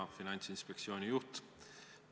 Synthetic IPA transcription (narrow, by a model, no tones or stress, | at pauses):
afinansinspɛksjoːniut̪